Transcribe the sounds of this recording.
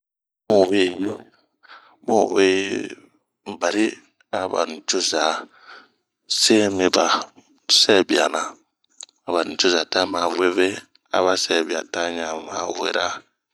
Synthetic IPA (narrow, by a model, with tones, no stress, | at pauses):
mu˦˨we˦˨ji˦ | mo˦˨we˦ | m̩˨ba˨ɾi˦ | a˨ba̰˨n̩˨t͡ʃo˦za˨ | se˦mi˨ba˨ | sɛ˦˨bi˨a̰˨na˨ | a˨ba˨t͡ʃo˦za˨ta˦ma˨we˦ve˦ | a̰˨βa˦sɛ˦˨bi˨a̰˨ta˦ɲa˨ma˨wḛ˨ɾa˦